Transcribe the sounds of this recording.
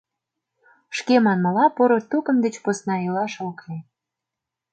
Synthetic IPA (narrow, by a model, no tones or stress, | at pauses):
ʃkemɑnmɑlɑpoɾot̪ukə̆md̪et͡ɕposnɑylɑʃokle